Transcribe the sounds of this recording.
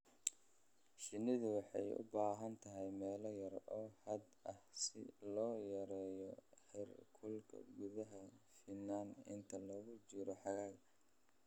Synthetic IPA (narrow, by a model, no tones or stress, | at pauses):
ʃɪnɪðʊwɑħɑjʊ̰baːɦɐnt̪ʰɐɦɛjmɛːlɐjɐrɔːhɐd̪ɐhsɪ̰lɔːjɐɾɛːjɔħɛrkʰʊlkʰɐ̰ɡʊðɐɦɐfɪnaːnɪ̰nt̪ʰɐlɐɣʊt͡ʃɪɾɔħɑɣaːɡ